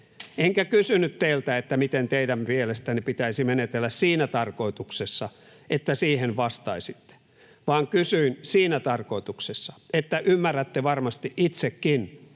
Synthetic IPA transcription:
eŋkækysynyt̪teilt̪æet̪ːæmit̪ent̪eidæmmielest̪ænipit̪æisimenet̪elːæssiːnæt̪ɑrkoit̪uksesːɑ | ʔet̪ːæsiːhenʋɑst̪ɑisit̪ːe̥ | ʋɑːŋkysyinsiːnæt̪ɑrkoit̪uksesːɑ̥et̪ːæʔymːærːæt̪ːeʋɑrmɑst̪iʔit̪sekːin

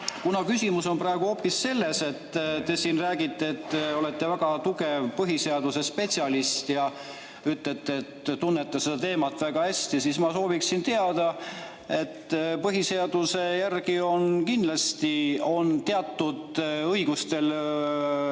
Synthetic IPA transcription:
kunɑkysʲimuso̞nprɑe̞ɡ̥uho̞pːisːe̞lːese̞t̪ːt̪e̞siːnræːɡit̪ːe̞ːt̪ːo̞let̪ˑːe̞væɡ̥ɑt̪uɡe̞vpɤɦise̞ɑd̪use̞spe̞t̪ʲsʲɑlist̪jɑ | yt̪ˑlet̪ːeːt̪t̪unːet̪ːˑɑsed̪̥ɑt̪e̞ːmɑt̪ːˑvæɡ̥ɑhæst̪isiːsmɑso̞ːviksint̪eɑd̪̥ɑ | e̞t̪ːpɤɦise̞ɑd̪̥use̞jærɡio̞nkind̪lɑst̪io̞nt̪eɑt̪ːud̪̥ɤjɡ̥ust̪e̞l

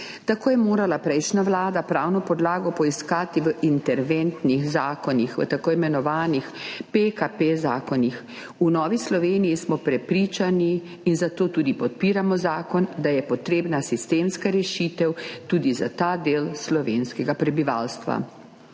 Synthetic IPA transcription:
t̪akoːjɛmoːɾalapɾɛjʃnaʋlaːd̪apɾaːwnɔpɔd̪laːɡɔpɔiskaːt̪iʋəʔint̪ɛɾʋent̪nixzaːkɔnixʋə̰t̪akoimɛnɔʋaːnixpekapezaːkɔnix | unɔːʋislɔʋeːnijismɔpɾɛpɾiːt͡ʃaniː | nzat̪oːt̪uːd̪ipɔt̪̚piːɾamɔzaːkɔnd̪ajɛpɔt̪ɾeːbnasist̪eːmskaɾɛʃiːt̪ɛwt̪uːd̪izat̪aːd̪eːlslɔʋenskɛɡapɾɛbiʋa̰ːlst̪ʋa̰

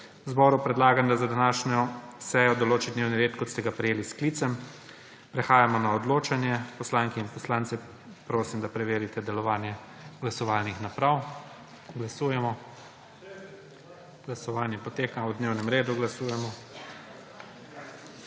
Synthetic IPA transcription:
wzbɔːɾupɾɛd̪laːɡamd̪azad̪anaːʃnɔsɛjɔd̪ɔloːt͡ʃid̪neːwniɾeːt̪kɔt̪st̪ɛɡapɾɛjeːlisklit̪sɛm | pɾɛxaːjamɔnaɔd̪loːt͡ʃanjɛpɔslaŋkɛinpɔslaːntsɛ | pɾoːsimd̪apɾɛʋeːɾit̪ɛd̪ɛlɔʋaːnjɛ | ɡlasɔʋaːlnixnapɾaw | ɡlasuːjɛmɔ | ɡlasɔʋaːnjɛpɔt̪eːkawd̪neːwnɛmɾeːd̪uɡlasuːjɛmɔ

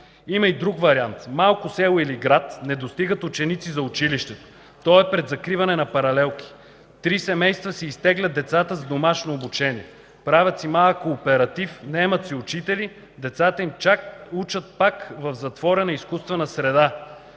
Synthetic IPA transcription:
imɐid̪ɾukvɐɾiant̪malˠkʊsɛlˠoiliɡɾat̪nɛd̪ost̪iɡət̪ʊt͡ʃɛnit̪sizɐʊt͡ʃiliʃt̪ɛt̪o̥ | t̪ɔɛpɾɛd̪zɐkɾivɐnɛnɐpɐɾɐlɛlˠki̥ | t̪ɾisɛmɛjst̪vəsiːst̪ɛɡlʲɐd̪d̪ɛt̪sat̪əzd̪omaʃnoːbut͡ʃɛnʲiɛ | pɾavʲɐt̪simalˠkoːpɛɾɐt̪ifnɛmɐt̪siʊt͡ʃit̪ɛli | d̪ɛt̪sat̪əimt͡ʃakut͡ʃət̪̚pakvɐvzɐt̪vɔɾɛnɐiskust̪vɛnɐsɾɛd̪a

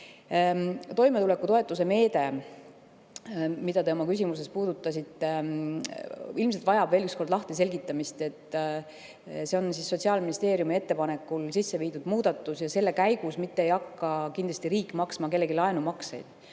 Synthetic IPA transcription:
t̪o̞jmeule̞kːut̪o̞e̞t̪ːˑus̬e̞me̞ːd̪e̞ | mid̪̥ɑt̪e̞o̞mɑkysʲimuse̞spuːd̪̥ut̪ːˑɑsʲit̪ːˑe | ilmselt̪vɑjɑbve̞ːlyksko̞rd̪lɑht̪es̬e̞lʲɡ̥it̪ːˑɑmist̪e̞t̪ˑː | se̞o̞nsisːo̞t̪ʲsiɑlminist̪e̞ːɾjumie̞t̪ːe̞pɑne̞kːulsisːe̞viːd̪ud̪̥muːd̪̥ɑt̪ːˑusjɑse̞lːe̞kæjɡ̥usmit̪ːeejɑkːɑkind̪lɑsʲt̪iɾiːkːmɑksmɑke̞lːe̞ɡilɑe̞numɑksḛjd̪̥

